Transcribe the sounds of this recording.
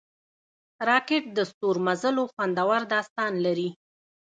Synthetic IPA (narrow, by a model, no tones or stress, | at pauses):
ɾɑkɪʈ̚d̪əst̪oɾmazəloxwand̪awaɾd̪ɑst̪ɑnlaɾi